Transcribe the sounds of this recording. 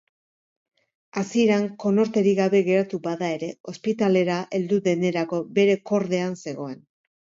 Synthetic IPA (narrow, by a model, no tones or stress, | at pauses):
asieɾaŋko̞no̞ɾt̪e̞ɾiɣaβe̞ɣe̞ɾat̪uβaðae̞ɾe̞o̞spit̪ale̞ɾaʔe̞ld̪uðe̞ne̞ɾako̞be̞ɾe̞ko̞ɾðe̞anse̞ɣ̞o̞e̞n